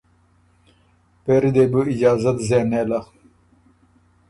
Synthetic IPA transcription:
peɾid̪ebuid͡ʑaːzɐt̪zeneːlɐ

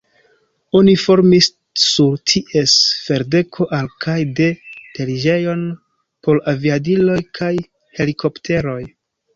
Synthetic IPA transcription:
o̞nifo̞ɾmisː | uɾtʰiʔe̞sfe̞ɾde̞kʰo̞ʔalkʰajde̞te̞ɾid͡ʒe̞jo̞n | po̞ɾaviadilo̞jkʰaj | he̞likʰo̞ptʰe̞ɾo̞j

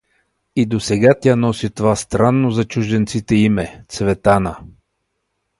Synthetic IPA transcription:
id̪osɛɡat̪ʲanɔsit̪ovast̪ɾanːozɐt͡ʃuʒd̪ɛnt̪sit̪ɛimɛt̪svɛt̪anə

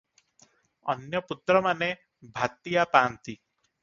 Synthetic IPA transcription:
ɔ̰njɔput̪ɾɔmane | bʱat̪ijapaːnt̪i

